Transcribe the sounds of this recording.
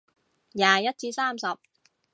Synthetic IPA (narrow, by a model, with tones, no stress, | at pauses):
jaː˨jɐ˥t̚t͡siː˧saː˥˩msɐ˨p̚